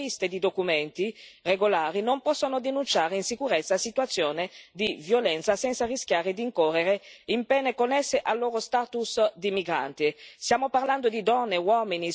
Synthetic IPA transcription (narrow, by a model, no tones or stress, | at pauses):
ist̪ed̪id̪okumɛnt̪ireɡolaːɾinompɔsːonod̪enunt͡ʃaːɾeinsikuɾɛt̪sːasit̪wat̪sːjoːned̪ivjolɛnt̪sasɛnt̪sarisk̟jaːɾed̪iːŋkɔrːeɾeimpɛːnekonɛsːeʔalːoːɾost̪aːt̪usd̪imiɡɾa̰nt̪ist̪jaːmoparland̪od̪id̪ɔnːewɔmini